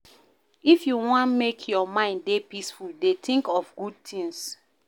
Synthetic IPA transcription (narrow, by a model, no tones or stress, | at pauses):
ifjuwɔ̃nmekʰjɔmãɪ̃nddepisfuldetĩŋkɔfɡud̚tʰĩŋs